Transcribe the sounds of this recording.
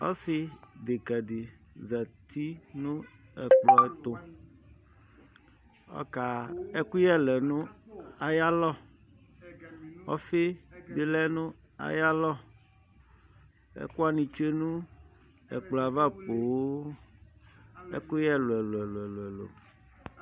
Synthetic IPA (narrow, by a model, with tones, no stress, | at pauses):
ɔ̰˦si˨d̪e˨ka˨di˨ | za˨t̪ʰi˦nũ˦ɛ˨k͡plɔ˨ɛ˦t̪o˨ | ɔ̰˦ka˨ɛ˦ku˦jɛ˦lɛ˨nũ˦a˨ja˦lɔ˦ | ɔ̰˦fe˦bi˦lɛ˦nũ˦ | a̰˨ja˦lɔ˦ | ḛ˦ku˦a˨nĩ˨t͡ʃe˦nũ˦ | ɛ̰˨k͡plɔ˨a˨va˦po˨wo˦ | ḛ˦ku˦jɛ˦lo˨ɛ˨lo˨ɛ˨lo˨ɛ˨lo˨ɛ˨lo̰˨m˨